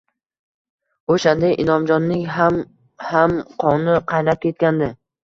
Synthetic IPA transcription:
oʃand̪aʔɪnɒmd͡ʒɒnːɪŋɦam | hamqʰɒnɪqʰɑjnap̚kʲʰe̞t̪̚kʲand̪ɪ

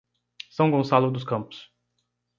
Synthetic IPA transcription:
sɐ̃w̃ɡõsalʊd̪ʊskɐ̃mpʊ̥s

